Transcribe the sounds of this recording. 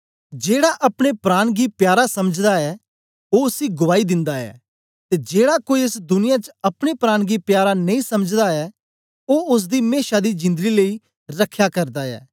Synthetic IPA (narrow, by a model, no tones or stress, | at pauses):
d͡ʒeːɽaʔɐpɽ̃epɾaːɽ̃ɡiːpjaːɾasɐməd͡ʒd̪aɛː | oʊsiɡʊʋaːid̪ɪ̃nd̪aɛ̰ː | t̪eːd͡ʒeːɽakoːiɪsd̪ʊnɪjãt͡ʃəɐpɽ̃epɾaːɽ̃ɡipjaːɾanɐĩsɐməd͡ʒd̪aɛː | oːʊs̬d̪iːmeːʃad̪id͡ʒɪ̃nd̪ɡiləi | ɾɐkʰːjakɐɾd̪aɛ̰ː